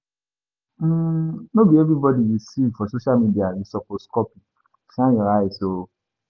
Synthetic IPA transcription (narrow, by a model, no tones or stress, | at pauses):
nobiɛvɾibɔdiɾisivfɔsoʃalmidianĩsɔkɔskɔpi | ʃãj̃ɔɾaiso